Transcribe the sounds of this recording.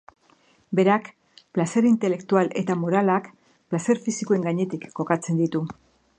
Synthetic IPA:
be̞ɾak | plase̞ɾint̪e̞le̞kt̪uale̞t̪amo̞ɾalak | plase̞ɾfisikoe̞ŋɡaɲe̞t̪ikːo̞kat͡se̞nd̪it̪u

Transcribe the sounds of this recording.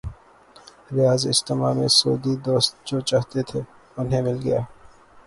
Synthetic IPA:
ɾɪjaːzɪ̰st̪ɪmaːmḛ̃so̰ːd̪id̪oːst̪̚d͡ʒoːt͡ʃaːɦt̪et̪ʰeː | ʊnɦẽmɪlɡɐjaː

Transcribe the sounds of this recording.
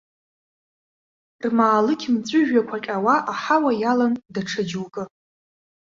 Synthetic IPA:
rmaːlɨkʲʰmt͡sʷʼʊʒᶣakʷʰaqʲʼawaʔaħawajalandaʈ͡ʂʰad͡ʒwkʼɨ

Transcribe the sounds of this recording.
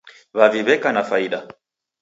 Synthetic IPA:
βaviβɛkanafaiɗa

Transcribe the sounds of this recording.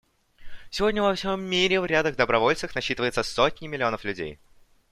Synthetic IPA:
sʲɪvo̞dʲnʲəvɐfsʲo̞mːʲiɾʲɪvɾʲad̪əɣd̪əbɾɐvo̞lʲt̪sɨxnɐɕːit̪ɨvəjɪt̪səsotʲnʲɪmʲɪlʲɪo̞nəflʲʉdʲḛj

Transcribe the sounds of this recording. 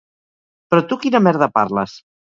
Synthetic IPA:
pɾɔt̪ukinəmɛɾðəpa̰ɾlə̰s

